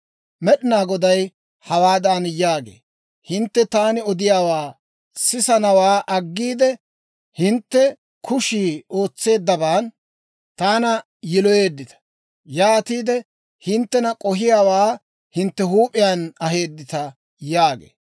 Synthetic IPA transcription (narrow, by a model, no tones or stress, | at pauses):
mɛɗɪnaːɡɔd̪ɐj | hɐwaːd̪aːnjaːɡḛː | hɪnt̪ːɛt̪aːnɪɔd̪ɪjaːwaː | sɪsɐnɐwaːʔɐɡːiːd̪ɛ | hɪnt̪ːɛ | kʰʊʃiːo̞ːt͡sːe̞ːd̪ːɐbaːn | t̪aːnɐ | jɪlɔjeːd̪ːɪt̪ɐ̥ | jaːt̪iːd̪ɛ | hɪnt̪ːɛnɐkʼɔɦɪjaːwaː | hɪnt̪ːɛɦuːpʼɪjaːnɐɦe̞ːd̪ːɪt̪ɐ | jaːɡḛː